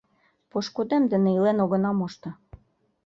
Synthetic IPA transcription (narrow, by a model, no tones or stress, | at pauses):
poʃkod̪emd̪ɘ̆nĕilenoɣɤ̆nɑmoʃt̪ɤ̆